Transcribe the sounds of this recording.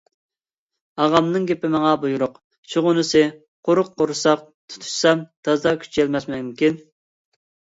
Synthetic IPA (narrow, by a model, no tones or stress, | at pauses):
ɑʁɑmnɨŋɡʲepɪmɑŋɑbujuɾʊq | t͡ʃʰoʁʊnɨsɨ | qʰoɾʊqːoɾsɑq̚ | t̪ʰu̥t̪ʰu̥ʃsɑmt̪ʰɑzd̪ɑkʲʰy̥t͡ʃʰɛlmɛsmɛmmkʲin